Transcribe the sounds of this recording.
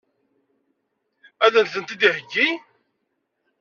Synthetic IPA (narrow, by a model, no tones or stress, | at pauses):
æðænθənt̪id̪ihəɡːi